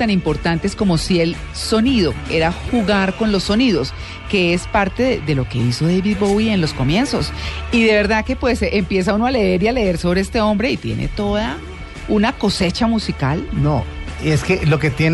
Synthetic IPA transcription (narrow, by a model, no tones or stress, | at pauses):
t̪animpo̞ɾt̪ant̪e̞sko̞mo̞sie̞l | so̞niðo̞e̞ɾaxuɣaɾko̞nlo̞sːo̞niðo̞s | ke̞espaɾt̪e̞ðeðe̞lo̞ke̞iso̞ðejβiðbowie̞nlo̞sko̞mje̞nso̞siðe̞βe̞ɾðake̞pwe̞sempje̞s̬auno̞ale̞e̞ɾiale̞e̞ɾso̞βɾeest̪e̞o̞mbɾe̞it̪je̞̰ne̞̰t̪o̞ða | unako̞se̞t͡ʃamusika̰lnoeskelo̞ket̪jen